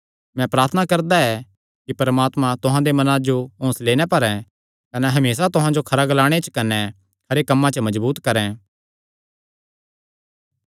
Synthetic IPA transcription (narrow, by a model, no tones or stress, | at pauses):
mɛ̃pɾaːɾt̪ʰənakɐɾd̪aɛ | kipɐɾmaːt̪mãt̪ʊɦãd̪emɐnãd͡ʒoõːsleːɽ̃ɛpɐɾɛ̃ | kɐnɛɦɐmeːsat̪ʊɦãd͡ʒokʰɐɾaɡlaːɽ̃et͡ʃkɐnɛ | kʰɐɾekɐmːãt͡ʃəmɐd͡ʒbuːt̪kɐɾɛ̃